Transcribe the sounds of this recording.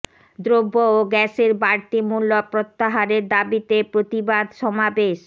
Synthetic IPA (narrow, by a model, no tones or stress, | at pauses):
d̪ɾobːooɡɛʃeɾbaɾt̪imulːopɾot̪ːaɦaɾeɾd̪abit̪epɾot̪ibad̪ʃɔmabeʃ